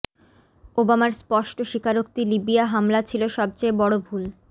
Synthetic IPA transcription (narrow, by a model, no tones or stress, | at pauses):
obamaɾspɔʃʈoʃikʰaɾokt̪ilibiaɦamlat͡ɕʰiloʃɔb̚t͡ɕejbɔɽobʱul